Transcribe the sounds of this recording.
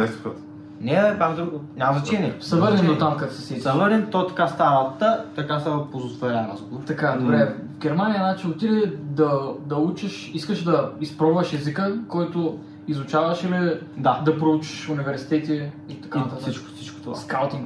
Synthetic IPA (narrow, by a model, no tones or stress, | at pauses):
ɛst̪kot̪ | nɛb̪amd̪oɲʲamɐznɐt͡ʃɛniɛsɐvəɾnɛnd̪ot̪amkət̪sɛsisɐvəɾnɛnt̪ɔt̪ɐ̥kast̪avət̪at̪ɐkast̪avəpozost̪voɾʲanazɡut̪ɐkad̪obɾɛvɡʲɛɾmanijənat͡ʃilˠot̪id̪ɛd̪ɐd̪ɐut͡ʃəʃ | iskəʃd̪ɐispɾɔvəʃɛzikəkɔjt̪o | izʊt͡ʃavɐʃilid̪ad̪ɐpɾout͡ʃi̥ʃʊnivɛɾsi̥t̪ɛt̪i | it̪ɐkanɐt̪asit͡ʃko̥sit͡ʃko̥t̪a̰skalˠt̪iŋk